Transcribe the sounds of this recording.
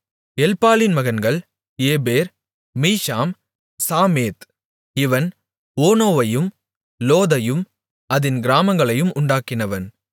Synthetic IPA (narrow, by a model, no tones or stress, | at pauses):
ɛlpaːlɪnmɐɣɐnɡɐɭ | eːbeːɾ | miːʂaːm | saːmeːt̪ | ɪʋɐn | oːnoːʋɐjɯm | loːðɐjɯm | ɐðɪnɡɪɾaːmɐŋɡɐɭɐjɯmʊɳɖaːkɪnɐʋɐn